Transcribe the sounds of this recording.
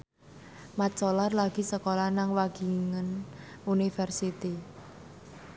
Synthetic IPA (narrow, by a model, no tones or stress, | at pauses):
mat͡ʃolarlaɡ̥i̤səkolanaŋwaɡ̥i̤ŋən | unifɛrsit̪i